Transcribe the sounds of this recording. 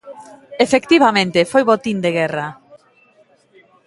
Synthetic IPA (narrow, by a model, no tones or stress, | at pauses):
efekt̪iβamẽnt̪efojβot̪ind̪eɣɛra